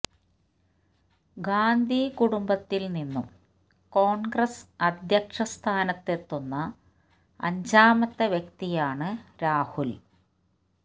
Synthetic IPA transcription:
ɡaːnd̪ʱikuɽumbɐt̪ːilninːum | ko̞ːɳɡrɐsɐd̪ʱjɐkʂɐst̪ʰaːnɐt̪ːe̞t̪ːo̞nːɐ̰ː | ɲd͡ʑaːmɐt̪ːɐʋjekt̪ijaːɳɨɾaːhul

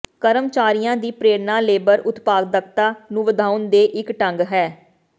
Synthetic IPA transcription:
kəɾəmt͡ʃaːɾijãːd̪iːpɾeːɾnaːleːbəɾʊt̪paːɡd̪əkt̪aːnũːʋəd̪ʱaːʊnd̪eːʔɪkʈəŋɡɦɛː

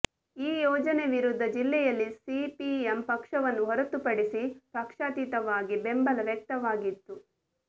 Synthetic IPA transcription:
iːjɔːd͡ʒɐneʋiɾud̪ʱːɐd͡ʒilːɛjɐlːisipiempɐkʂɐʋɐnːuɦɔɾɐt̪upɐɽisipɐkʂaːt̪it̪ɐʋaːɡibe̞mbɐlɐʋjɛk̚t̪ɐʋaːɡit̪ːu

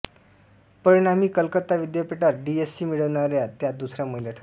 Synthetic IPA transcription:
pəɾinam̤iːkəlkət̪ːaʋid̪japeʈaɾɖiesːimiɽəʋnaɾjat̪jad̪usɾaməɦilaʈʰə

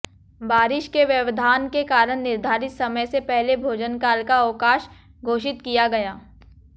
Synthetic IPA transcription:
baːɾɪʃkeʋjɐʋd̪ʱaːnkekaːɾəɽ̃nɪɾd̪ʱaːɾɪt̪sɐməjsepɛɦlebʱoːd͡ʒənkaːlkaəkaːʃ | ɡʱoːʃɪt̪kijaɡɐjaː

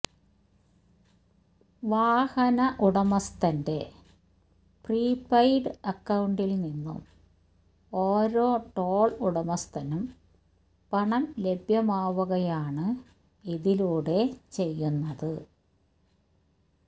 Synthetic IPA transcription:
ʋaːhɐnɐʔuɽɐmɐst̪ɐnde̞ | priːpːɐjɖɨɐkːɐwɳɖilninːṵm | oːɾo̞ːʈoːɭuɽɐmɐst̪ʰɐnum | pɐɳɐmlebʱjɐmaːʋuɣɐjaːɳɨ | iðiluːɽe̞t͡ɕe̞jːunːɐðɨ

